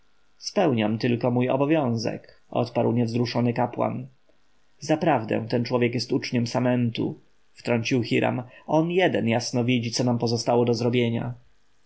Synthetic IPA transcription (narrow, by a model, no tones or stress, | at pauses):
spɛwɲamt̪ɘlkɔmujɔ̰bɔvʲjɔ̃w̃zɛ̰k | ʔɔ̰t̪paɾwɲɛvzɾuʂɔnɘkapwa̰n | zapɾavd̪ɛ̰̃w̃t̪ɛnt͡ʂwɔvjɛkjɛst̪ut͡ʂɲɛmsamɛnt̪ṵ | ft̪ɾɔɲt͡ɕiwxiɾʔa̰mɔnjɛd̪ɛnjasnɔvʲid͡ʑit̪sɔnampɔzɔst̪awɔd̪ɔzɾɔbʲjeɲa̰